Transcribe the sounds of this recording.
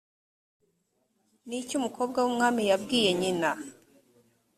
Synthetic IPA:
nicumuko̞ːb̚ɡwawumŋaːmijabɡiːje̞ɲina

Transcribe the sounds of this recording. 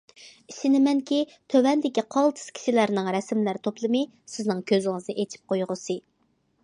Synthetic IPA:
isɪnɪmɛŋkʲit̪ʰøwɛnd̪ɪkʲiqʰɑlˠt̪ʰɨ̥skʲʰi̥ʃilæɾnɪŋɾɛsmlæɾt̪ʰoplˠɨmɨ | sɪznɪŋkʲʰøzɪŋɨznɨʔet͡ʃʰi̥p̚qojʁʊsɨ

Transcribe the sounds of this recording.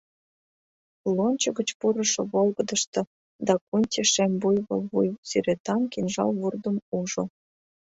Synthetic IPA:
lonʲt͡ɕəɣə̆t͡ɕpuɾəʃŏβolɣəd̪əʃt̪ɤ̆ | d̪ɑkunʲtʲeʃembujβolβujsyɾet̪ɑmkinʒɑ̰lβurd̪əmuʒo

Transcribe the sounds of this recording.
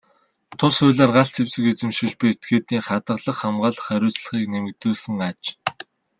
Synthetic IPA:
t̪ʰʊsʊːɮaːrɢaɬt͡sʰewsɘ̆ket͡sɘ̆mʃĭt͡ɕpet̪̚ɡeːt̪iːŋχat̪ə̆ɮə̆χːamɢaːɮə̆χæɾʲʊːt͡sɮə̥̆χiːknemɘ̆k̚t̪uːɮsɘ̆ŋat͡ɕ

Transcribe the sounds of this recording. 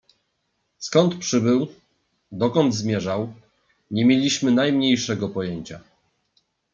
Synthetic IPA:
skɔnt̪pʂɘbɘw | d̪ɔkɔnd̪zmʲjɛʐaw | ɲɛmʲjelʲiɕmɘnajmɲejʂɛɡɔpɔjeɲt͡ɕa

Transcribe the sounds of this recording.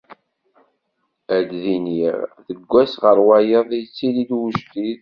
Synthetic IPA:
æd̪ðiniʁðəɡʷːæsʁəɾwæjəðˤjt͡sːilid̪wuʒt̪ið

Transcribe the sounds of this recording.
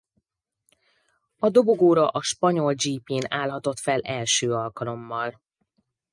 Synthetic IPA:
ɒd̪o̞bo̞ɡoːɾɒʔɒʃpɒɲo̞ld͡ʒiːpiːnaːlɦɒt̪o̞t̪fɛlʔɛlʃøːɒlkɒlo̞mːɒl

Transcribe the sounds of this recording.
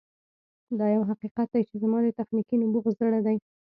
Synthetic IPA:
d̪ɑjawɦaqiqat̪̚d̪ajt͡ʃezamɑd̪ət̪axnikinʊbuɣzəɽad̪aj

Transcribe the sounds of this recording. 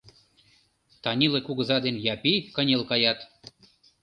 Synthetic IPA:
t̪ɑnʲilekuɣə̆zɑd̪enjɑpikə̆nʲelkɑjɑt̪

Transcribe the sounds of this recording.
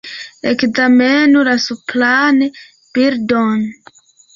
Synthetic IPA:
ekzamenulasuplane | b̥iɾdɔn

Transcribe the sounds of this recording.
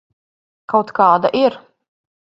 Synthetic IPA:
kawt̪kɑːd̪a̰ʔiɾ

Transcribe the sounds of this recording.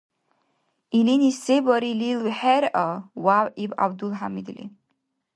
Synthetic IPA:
ilinisebɔɾililwħɛɾawawiba̰bd̪ulɦamid̪lḭ

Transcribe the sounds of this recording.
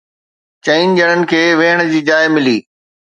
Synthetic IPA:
t͡ɕɐind͡ʑɐɽ̃ənɪ̆kʰeːʋeɦəɽ̃̆d͡ʑiːd͡ʑaːɪmɪliː

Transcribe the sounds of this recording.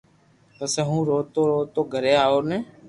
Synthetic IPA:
t̪əseɦũːɾoːt̪oːɾoːt̪oːɡʱəɾeːaːoːnẽː

